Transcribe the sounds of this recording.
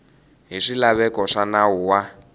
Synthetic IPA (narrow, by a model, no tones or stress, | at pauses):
ɦiʂilaβɛkɔʂanauwa